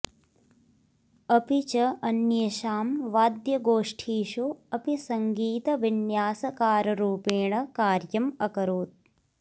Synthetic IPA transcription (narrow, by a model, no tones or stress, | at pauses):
ɐpit͡ʃɐʔɐnjɐʃaːmʋaːd̪jɐɡoːʂʈʰiːʃuɐpisɐŋɡiːt̪ɐʋinjaːsɐkaːɾɐɾuːpeːɳɐkaːɾjɐmɐkɐɾoːt̪̚